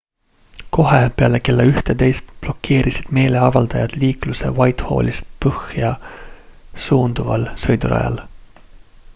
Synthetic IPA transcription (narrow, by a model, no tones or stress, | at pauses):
ko̞ɦepeɑleke̞lːeyht̪et̪e̞jst̪b̥lo̞kːe̞ːɾisid̪̥me̞ːle̞ɑvɑld̪̥ɑjɑd̪̥liːkluse̞̰vɑjt̪ho̞̰ːlʲist̪̚pɤhjɑ | suːnd̪̥uvɑ̰lsɤjd̪uɾɑ̰jɑ̰l